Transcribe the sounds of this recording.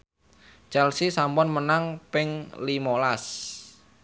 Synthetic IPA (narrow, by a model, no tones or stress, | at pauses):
t͡ʃɛlsisampɔnmənaŋpɪŋlimolas